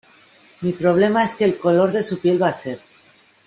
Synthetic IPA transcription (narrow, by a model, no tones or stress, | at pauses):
mipɾo̞β̞le̞mae̞ske̞ːlko̞lo̞ɾðe̞supje̞lβase̞ɾ